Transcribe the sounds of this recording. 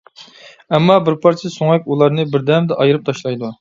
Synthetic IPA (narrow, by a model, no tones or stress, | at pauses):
ɛmːɑbɪɾpʰɑɾt͡ʃʰɪsoŋɛkʲulˠɑɾnɨbɪɾd̪ɛmd̪ɛʔɑjɨɾɨp̚t̪ʰɑʃlˠɑjd̪u